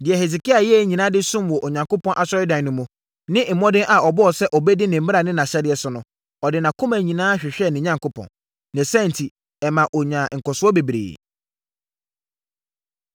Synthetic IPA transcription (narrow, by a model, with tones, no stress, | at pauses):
dɪ˨ɛ˨he˨s̬i˨kʰi˦a˨jɛ˦ɛ˦˨ɲĩ˨nã˦dɪ˦sũ˦mwɔ˨ʔɔ˨ɲã˨ŋkʰo˦pɔ̃˦nʔa˨ɕɔ˦ɾɪ˦dã˨n˨nʊ̃˨mũ˨ | nɪ̃˦˨m̩˨mɔ̃˦dɪ̃˦nʔa˨ɔ˨bɔ˦ɔ˨sɛ˦ʔɔ˨bɛ˦dɪ˦nɪ̃˨m̩˦mɪ˦ɾa˨nɪ̃˦nã˨ɕɛ˦dɪ˨ɛ˦sʊ˨nʊ̃˨ | ɔ˨dɪ˨nã˨kʰʊ̃˦mæ̃˨ɲĩ˨nãː˦ɕᶣɪ˨ɕᶣɛ˦˨nɪ̃˨ɲã˨ŋkʰo˦pʰɔ̰̃˨n | næ̃˨sæ̃˦˨n̩˨tʰi˨ | ɛ˨mã˨ʔɔ˨ɲã˨ŋ̩˨kɔ˨sʊ˦ɔ˦be˨bɾḛː˨